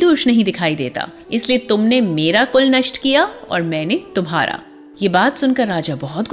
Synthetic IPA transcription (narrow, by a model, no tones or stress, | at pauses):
d̪ʊːʃnɐɦĩd̪ɪkʰaːid̪ḛːt̪a̰ː | ɪsliet̪ʊmnemeːɾakʊlnɐʃʈkijaɔ̰ːɾmɛ̃ːnet̪ʊmɦa̰ːɾʔa̰ː | jebaːt̪sʊnkɐɾːaːd͡ʒabɔɦɔt̪ɡ